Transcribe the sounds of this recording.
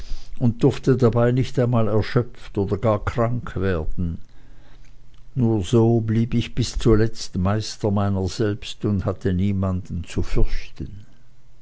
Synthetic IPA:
ʊnt̚d̥ʊɐftədabaɪnɪçtaɪnmaːlɛɐʃœpftoːdɐɡaːɐkʁ̥aŋkʰv̥eːɐd̥n̩ | nuːɐzoːbliːbɪçb̥ɪst͡suːɐlɛt͡stmaɪstəmaɪnəz̥ɛlpstʊndhatʰəniːmandn̩t͡sufʏɐçtən

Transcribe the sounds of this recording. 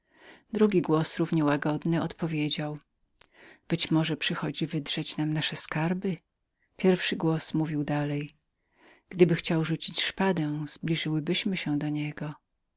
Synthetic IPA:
d̪ɾuɡʲiɡwɔsɾuvɲɛwaɡɔd̪nɘɔt̪pɔvʲjed͡ʑaw | b̥ɘt͡ɕmɔʐɛpʂɘxɔd͡ʑivɘd̪ʐ̥ɛt͡ɕnamnaʂɛskaɾbɘ | pʲjɛɾfʂɘɡwɔsmuvʲiwd̪alɛj | ɡ̥d̪ɘbɘxt͡ɕawʐut͡ɕit͡ɕʂpad̪ɛw̃z̥blʲiʐɘwɘbɘɕmɘɕɛd̪ɔɲɛɡɔ

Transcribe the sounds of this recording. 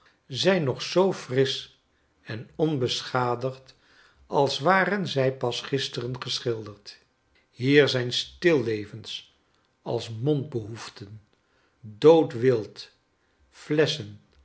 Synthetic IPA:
zɛjnɔχsowfrɪs | ɛnɔnbəsχaːdəχt | ɑlˠsʋaːrənzɛjpɑsχɪstərənχəsχɪlˠdəɹt | ɦiːɹzɛjnstɪlˠːejvəns | ɑ̰lˠsmɔnd̚bəɦuftən | dowtʋɪlˠt | flɛsən

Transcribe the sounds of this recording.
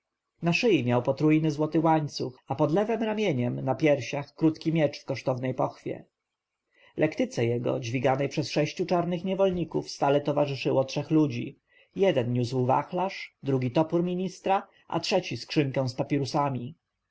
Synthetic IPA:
naʂɘjimʲjawpɔt̪ɾujnɘzwɔt̪ɘwaɲt̪suxapɔd̪lɛvɛmɾamʲjeɲɛmnapʲjɛɾɕaxkɾut̪kʲimʲjɛt͡ʂfkɔʂt̪ɔvnɛjpɔxfʲjɛ̰ | lʔɛkt̪ɘt̪sɛjɛɡɔ̰d͡ʑvʲiɡanɛjpʂɛsʂɛɕt͡ɕut͡ʂaɾnɘxɲɛvɔlɲikufst̪alɛt̪ɔvaʐɘʂɘwɔtʂɛxlud͡ʑḭ | jɛd̪ɛnɲuzwva̰xlaʂd̪ɾuɡʲit̪ɔpuɾmʲiɲist̪ɾa | ʔa̰tʂɛt͡ɕiskʂɘŋkɛ̃w̃spapʲiɾusamʲi

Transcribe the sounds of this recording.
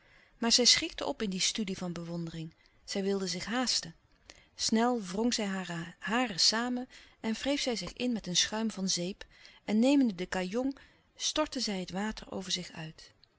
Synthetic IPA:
maːɹzɛjsχɪktəʔɔ̰pɪndistydivɑnbəʋɔndərɪŋ | z̥ɛjʋɪlˠdəzɪχɦaːstə | snɛlˠvrɔŋzɛjɦaːrəsaːmənɛnv̥rejfsɛjzɪχɪnmɛtənsχœɥmvɑnzejp | ʔɛnːejməndədəkajɔŋ | stɔɹtəzɛjɦətʋaːtəɹo̰wvəɹzɪχœ̰ɥt

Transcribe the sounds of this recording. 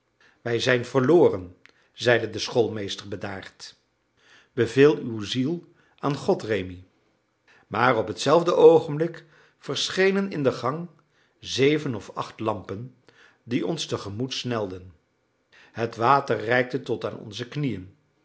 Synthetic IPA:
ʋɛjzɛjnvəɹloːrən | zɛjdədəsχolˠmejstəɹbədaːɹt | b̥əvɪːlˠywzilˠ | ʔaːnχɔtrejmi | maːrɔpɦətsɛlˠvdəʔowχəmblɪk | fəɹsχejnənɪndəχɑŋ | zejvənɔfɑχtlɑmpən | diɔnstəχəmutsnɛlˠdən | ɦətʋaːtərrɛjk̚tətɔta̰ːnɔ̰nzəknijən

